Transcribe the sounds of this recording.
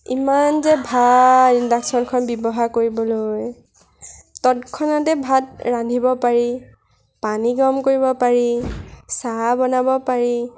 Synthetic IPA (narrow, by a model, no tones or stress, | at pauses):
imanzɛbʱaindaksɔnkʰɔnbjɔbɔɦakoɹibɔloj | tɔtkʰɔnatɛbʱatɹandʱibɔpaɹi | paniɡɔmkoɹibɔpaɹisabɔnabɔpaɹi